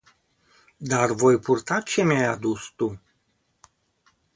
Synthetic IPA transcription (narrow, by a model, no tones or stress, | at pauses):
d̪arvo̞jpurt̪at͡ʃe̞mjajad̪ust̪u